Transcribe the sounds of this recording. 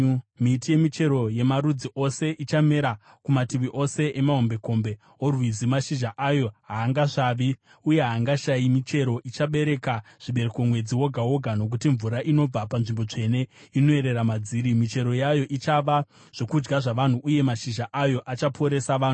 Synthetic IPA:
mitije̞mit͡ʃe̞ɾo̞je̞maɾud͡ziʔo̞se̞ʔit͡ʃame̞ɾa | kumatiʋiʔo̞se̞ʔemaɦo̞mbe̞ko̞mbe | orwizimaʃiʒaʔajo̞ɦaːŋɡaʐaːʋi | uje̞ɦaŋɡaʃaimit͡ʃe̞ɾo̞ʔit͡ʃaɓe̞ɾe̞kaʐ̥iɓe̞ɾekomwe̞d͡ziwo̞ɡʱawo̞ɡʱano̞k̬utiɱvuɾaʔino̞b͡vapanʐimbo̞t͡ʂe̞ne̞ino̞e̞ɾe̞ɾamad͡ziːɾimit͡ʃe̞ɾo̞jajo̞ʔit͡ʃaʋa | ʐ̥o̞kud͡ʒɡaʐaʋan̤uʔuje̞maʃiʒaʔajo̞ʔat͡ʃapʰo̞ɾe̞saʋaːnu

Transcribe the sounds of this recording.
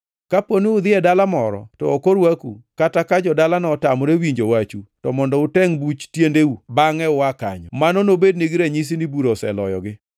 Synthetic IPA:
kaponiʊd̪ɪɛdalamɔɾɔ̰tɔ̰okoɾwakukatakad͡ʒɔdalanɔtamɔɾewiɲd͡ʒowat͡ʃutɔmɔndɔʊtɛŋbut͡ʃtjendeubaŋɛwaka̰ɲɔmanɔnobedniɡɾɛɲis̬inibuɾosɛ̰lɔ̰jɔ̰ɡɪ

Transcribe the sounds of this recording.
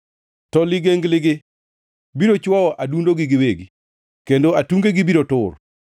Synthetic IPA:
tɔlɪɡeŋɡlɪɡɪ | biɾot͡ʃwɔɔʔadundoɡɪɡɪweɡi | kendoatuŋɡeɡɪbiɾotʊr

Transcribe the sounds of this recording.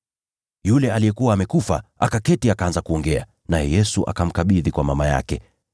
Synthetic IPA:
julɛalijɛkuwaːmɛkufa̰ʔakakɛtiakaanzakuɔŋɡɛa̰ | najɛjɛsuʔa̰kam̩kaɓiðikwamamaja̰kɛ

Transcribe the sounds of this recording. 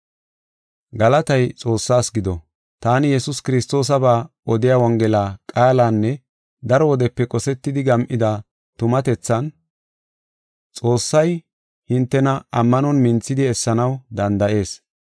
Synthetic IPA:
ɡɐlɐt̪ɐjt͡sʼo̞ːsːaːsɡɪd̪ɔ | t̪aːnɪjɛsʊskɪɾɪst̪o̞ːs̬ɐbaː | ɔd̪ɪjawɐŋɡɛlaːkʼaːlaːnːɛ | d̪ɐɾɔwɔd̪ɛpːɛkʼɔsɛt̪ːɪd̪ɪɡɐmʔɪd̪a | t̪ʊmɐt̪ɛt͡sːɐn | t͡sʼo̞ːsːɐj | hɪnt̪ːɛnɐɐmːɐnɔnmɪnt͡sːɪd̪ɪɛsːɐnɐwd̪ɐnd̪ɐʔe̞ːs

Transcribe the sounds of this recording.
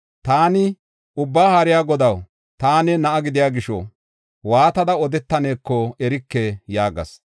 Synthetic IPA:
t̪aːnɪ | ʊbːaːhɐɾɪjaːɡɔd̪ɐw | t̪aːnɛnɐʔɐɡɪd̪ɪjaːɡɪʃɔ̰ | waːt̪ɐd̪ɐɔd̪ɛt̪ːɐneːkːɔɛɾɪkːɛjaːɡɐ̰s

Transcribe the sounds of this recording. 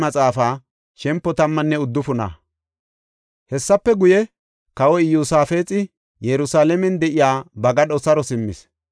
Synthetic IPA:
mɐt͡sʼaːfaː | ʃɛmpːɔt̪ɐmːɐnːɛʊd̪ːʊfʊna̰ | hɛsːɐpːɛɡʊjɛ | kɐwɔɪjuːsaːfe̞ːt͡sʼɪ | jɛɾʊsaːlɛmɛnd̪ɛʔɪjaːbɐɡɐɗɔsɐɾɔsɪmːɪ̰s

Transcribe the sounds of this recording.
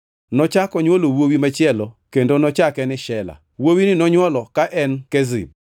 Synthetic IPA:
nɔt͡ʃakɔɲwolowowimat͡ʃɪɛlɔkendonɔt͡ʃakɛnɪʃɛla̰ | wowinɪnɔɲwɔlɔkaʔɛnkɛzɪ̰b

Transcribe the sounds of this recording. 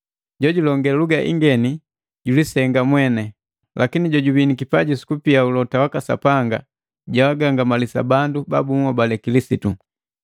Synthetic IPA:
ɟɔɟulɔŋɡɛaluɡaʔḭŋɡɛni | ɟulisɛŋɡamwɛnɛ | lakiniɟɔɟubinikipaɟisi̥kupiaulɔtawakasa̰paŋɡa̰ | ɟawaɡaŋɡamalisa̰bandubabumɔbalɛkilisitu

